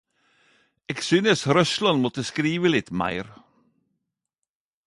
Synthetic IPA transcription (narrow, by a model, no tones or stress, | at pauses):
ɛksʏnɛsɾœʃlˠɔnmot̪ʰəskɾiːvɪlɪt̪ʰma̰jɾ